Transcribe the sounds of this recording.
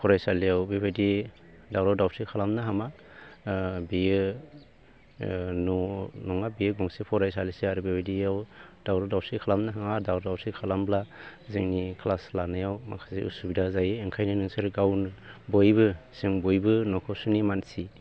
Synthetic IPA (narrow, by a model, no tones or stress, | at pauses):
pʰɔɾajsaliawbebadi | dawɾawdawtʰikʰalamnɯɦama | bijɯ | nɔnɔŋabijɯɡɔŋsipʰɔɾajsalisiaɾɯbebadiawd̥awɾadawtʰikʰalamnɯɦaŋadawɾɔdawtʰikʰalamblazeŋnikʰlaslanajawma̰kʰḁsiṵsubidazajɯːŋkʰajnɯnɯŋsɯɾɡawnɯbɔjbɯsɯŋbɔjbɯnɔkʰɔsunimansi